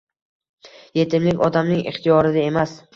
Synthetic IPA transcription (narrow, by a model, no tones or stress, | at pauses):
je̞t̪ʰɪmlɪkʲɒd̪amnɪŋɪ̰χt̪ʰɪjɒɾɪd̪ae̞mas